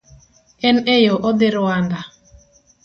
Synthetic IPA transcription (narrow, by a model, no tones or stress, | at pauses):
ɛnejoʔod̪ɪɾʊand̪a